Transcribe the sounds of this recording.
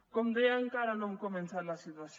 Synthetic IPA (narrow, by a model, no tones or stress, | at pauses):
komd̪eaŋkaɾanõŋkomẽnsaɾlasit̪was